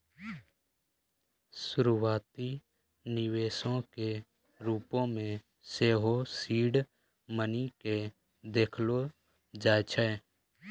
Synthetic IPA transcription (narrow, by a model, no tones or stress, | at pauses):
sʊɾuwaːt̪i | nɪweːsõke | ɾuːpõmẽ | seːɦosiːɖ | mənike | d̪eːkʰlo | d͡ʒaːt͡ʃʰɛ